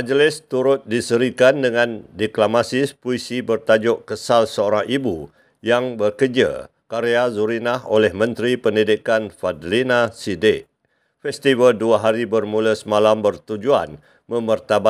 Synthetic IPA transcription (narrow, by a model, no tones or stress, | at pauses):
mad͡ʒlɪst̪uɾʊt̪̚disəɾikandəŋãndiklamasipuisibərt̪ad͡ʒʊʔkəsalsəoɾaŋibu | jaŋbərkərd͡ʒə̰ | kaɾeazuɾinaholɛhmə̃nt̪ɾipəndidikanfadlinasidɪʔ | fɛst̪ivəlduaɦaɾibərmuləsəmalambərt̪ud͡ʒua̰n | mə̃mərt̪aba